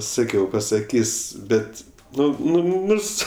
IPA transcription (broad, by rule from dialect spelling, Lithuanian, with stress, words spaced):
ˈsɑːkʲɛʊ pɐsɐˈkʲiːsʲ ˈbʲɛt ˈnʊ nʊ nʊ ˈnʊrs